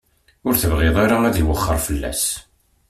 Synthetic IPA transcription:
ʊɾθəvʁɪðˤaɾaæðiwəχːəɾˤfəlːæ̰s

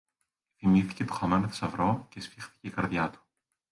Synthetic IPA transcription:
θimiθi̥ce̞t̪o̥xɐmenot̪i̥sɐvɾo̞cespixθi̥ce̞ikɐɾðʝɐt̪u̥

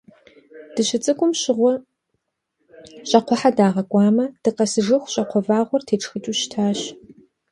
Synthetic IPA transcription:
d̥ɨɕɪt͡sʼɨkʷʼʊmɕɪʁʷɔ | ɕʼɐqʷʰɔħadaːʁɐkʷʼɑːmɐd̥ɨqɐsɨʐɨxʷɕʼɐqʷʰɔvaːʁʷɔrtʰeːʈ͡ʂʰʼxɨt͡ʃʼuɕtʰaːɕ

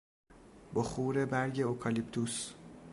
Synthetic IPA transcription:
bɔxuːɾe̞bæɾɟe̞okʰɒlipt̪ʰus

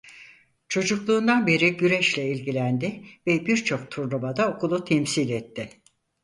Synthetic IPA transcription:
t͡ʃʰo̞d͡ʒuklˠuːnd̪anbe̞ɾiɟyɾɛʃlʲɛilʲɟilʲænd̪ɪvɛbiɾt͡ʃʰo̞k̚t̪ʰuɾnumad̪aokulˠut̪ʰɛmsilʲɛt̪ʰːɪ

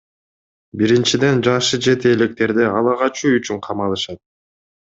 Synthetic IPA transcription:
biɾint͡ʃid̪e̞nd͡ʒɑʃɯd͡ʒe̞t̪eːlek̚t̪e̞ɾd̪eɑlˠɑʁɑt͡ʃuyt͡ʃyɴqʰɑmɑlˠɯʃɑt̪̚

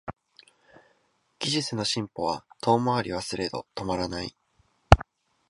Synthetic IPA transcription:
ɡ̥ʲiʑit͡sɨno̞ɕĩmpo̞βat̪ʰo̞ːmaβaɾʲiβ̞asɨɾe̞d̪o̞̰t̪o̞maɾanaḭ

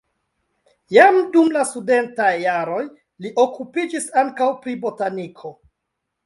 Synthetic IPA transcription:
jamdumlasude̞ntajːaɾo̞j | liʔo̞kupid͡ʒisaŋkawpɾibo̞tanikʰo̞

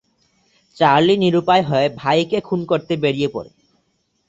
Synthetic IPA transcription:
t͡ɕaɾliniɾupaeɦɔebʱajkekʰunkoɾt̪ebeɽijepɔ̰ɾḛ

